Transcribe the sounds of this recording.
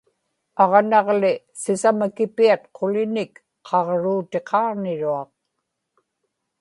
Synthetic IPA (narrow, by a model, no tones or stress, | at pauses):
ɑʁnɑʁlɪ | sɪsamakɪpiat̪̚qʰolɪnɪk | qʰɑʁɻuːt̪e̞qʰɑːʁnɪɻuɑq̚